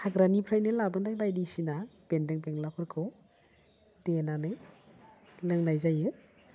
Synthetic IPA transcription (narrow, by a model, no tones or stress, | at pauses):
haɡɾanipʰɾajnɯlabɯndajlajdisinab̥endeŋbeŋlapʰɯɾkʰɯw | d̥enanɯj | lɯŋnajzajɯ